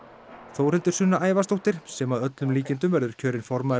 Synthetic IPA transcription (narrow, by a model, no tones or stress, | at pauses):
θowrhɛlt̪ʏɾ̥sʏnːaʔaːjvast̪owht̪ɪɾ̥sɛmaðœt̪lʏmliːcɪnt̪ʏmvɛɾðʏɾ̥cʰœːɾɪnfɔɾma